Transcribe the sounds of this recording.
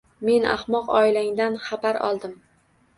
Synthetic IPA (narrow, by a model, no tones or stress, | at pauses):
me̞na̰hmɒqɒɪlaŋd̪anχabaɾɒ̰lˠd̪ɪm